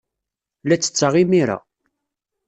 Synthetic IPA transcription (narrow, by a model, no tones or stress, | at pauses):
læt͡sːə̥t͡sːaʁimiɾa̰